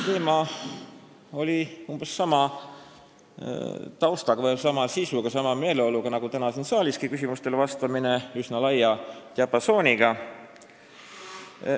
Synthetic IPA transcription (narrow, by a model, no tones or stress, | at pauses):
t̪e̞ːmɑ | o̞lʲiumb̥esːɑmɑ | t̪ɑwst̪ɑɡ̥ɑvɑsɑmɑsisuɡ̥ɑsɑmɑme̞ːle̞o̞luɡ̥ɑnɑɡ̥ut̪ænɑsinsɑːliskikysimust̪e̞lvɑst̪ɑmine̞ysnɑlɑjːɑt̪ʲiɑpːɑso̞ːnʲiɡ̥ɑ